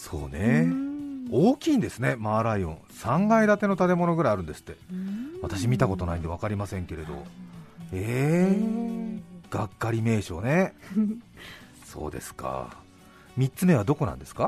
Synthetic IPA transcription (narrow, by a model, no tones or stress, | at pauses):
so̞̰ːne̞ | oːkʲiːnd̪e̞sɨne̞maːɾaiõ̞̰ñsãŋɡaid̪at̪e̞no̞t̪at̪e̞mo̞no̞ɡɯ̟ɾaijaɾɯ̟̃nd̪e̞sɨ̥t̪ːe̞βat̪aɕimʲit̪ako̞t̪onaĩnd̪e̞β̞akaɾʲimasẽ̞ŋke̞ɾe̞d̪o̞̰ | eː | ɡ̥akːaɾʲime̞ːɕo̞ːne̞ | so̞̰ːd̪e̞̰sɨ̥ka̰ | mʲit͡sɨme̞β̞ad̪o̞ko̞nã̰nd̪e̞sɨ̥ka